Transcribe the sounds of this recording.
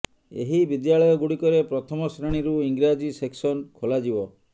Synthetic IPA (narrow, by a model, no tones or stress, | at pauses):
ḛɦibid̪jaɭɔjɔɡuɽikɔɾepɾɔt̪ʰɔmɔsɾaɽ̃iɾuiŋɡɾad͡ʒiseksɔnkʰolad͡ʒibɔ